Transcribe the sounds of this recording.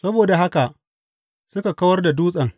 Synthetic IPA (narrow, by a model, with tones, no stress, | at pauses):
sɐ˦boː˨da˨ɦa˦ka˨ʔ | sʊ˦ka˨kɐ˦wɐ˦rda˨duː˦sʼɐ˨ŋ